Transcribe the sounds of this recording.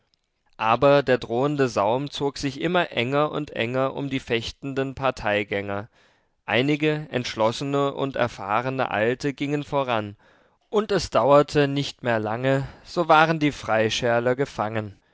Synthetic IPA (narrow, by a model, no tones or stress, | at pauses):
ʔaːbɐdeːɐdʁoːəndəzaʊmt͡soːkz̥ɪçʔɪmɐʔɛ̰ŋɐʔʊntʔɛ̰ŋɐʔʊ̰mdiːfɛçtn̩dənpʰaɐtʰaɪɡɛŋɐ | ʔaɪnɪɡəɛ̰ntʃlɔsənəʔʊ̰ntɛ̰ɐfa̰ːʁənə̰ʔa̰ltəɡɪŋənfoʁan | ʔʊntɛsd̥aʊɐtʰənɪçtmeːɐlaŋəz̥oːvaːʁəndiːfʁ̥aɪʃɛɐlɐɡəfaŋən